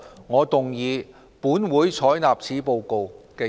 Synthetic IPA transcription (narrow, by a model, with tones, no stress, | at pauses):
ŋɔː˨˧t̪ʊ˨˩ŋjiː˨˧ | puː˨˥nwuː˨˥jt͡sʰɔː˨˥jnaː˨˩p̚t͡sʰiː˨˥po˧wko˨wkɛː˧